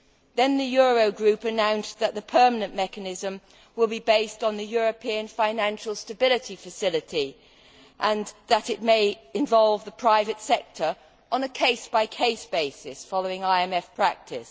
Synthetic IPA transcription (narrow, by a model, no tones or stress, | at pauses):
ðɨ̃nðɨjɔɹoʊɡɹʉpɨnãʊ̃nsðɨʔ̪̚ðəpʰɜ˞mənɨ̃nmɛkɨnɪzə̃m | wɪlˠbibeɪstn̩ðɨjɔɹɨpʰiɨ̃nfãɪ̃næ̃nʃl̩ˠstɨbɪlˠɨtifɨsɪlˠɨti | ʔə̃nðəɾɨt̚meɪɪ̃ɱvɑlˠvðəpʰɹ̥aɪvɨtsɛk̚tʰə˞ | ʔə̃nəkʰeɪsb̥aɪkʰeɪsb̥eɪsɪsfɑlˠoʊɪ̃ŋaɪɛ̃mɛfpʰɹ̥æk̚tʰɪs